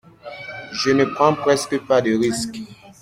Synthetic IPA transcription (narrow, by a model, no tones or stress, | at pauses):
ʒənəpχɑ̃pχɛskəpad̪əʁisk